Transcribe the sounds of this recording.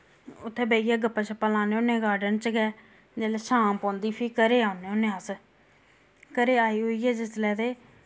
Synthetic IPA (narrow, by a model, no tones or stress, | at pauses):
ʊt̪ʰːeːbeːijaːɡəpːaːt͡ʃəpːəlãːneːonẽːɡaːɾɖənt͡ʃɡɛː | d͡ʒeːlɛʃaːmpɔ̃ːnd̪iːpʰiːkəɾeːaːʊneːonẽːəs | kəɾeːaːiːɦoːiːɛːd͡ʒɪslɛːt̪eː